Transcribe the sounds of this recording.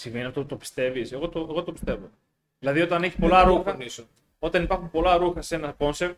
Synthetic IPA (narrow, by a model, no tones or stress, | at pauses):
siɱveniɐft̪oput̪opi̥st̪e̞viseɣo̞t̪oeɣot̪opist̪e̞vo | ðilɐðio̞t̪ɐne̞çispo̞lɐɾuxɐs | o̞t̪ɐnipɐɾxumpo̞lɐɾuxɐse̞nɐko̞nsev